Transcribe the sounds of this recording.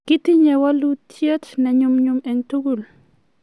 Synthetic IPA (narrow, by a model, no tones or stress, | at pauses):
kit̪iɲɛwalutʰjetnɛɲumɲumɛŋt̪uɡul